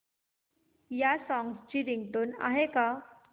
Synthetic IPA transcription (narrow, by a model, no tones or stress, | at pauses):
jasɔ̃ŋɡst͡ɕiːɾiŋɡʈoːna̰ɦeka